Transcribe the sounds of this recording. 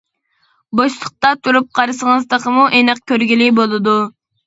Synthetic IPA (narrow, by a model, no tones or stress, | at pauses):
boʃlˠəχ̚t̪ɑt̪ʰuɾup̚qʰɑɾɨsəŋəzd̪əqəmuʔenɨq̚kʲøɾɡʲilibolˠɨd̪u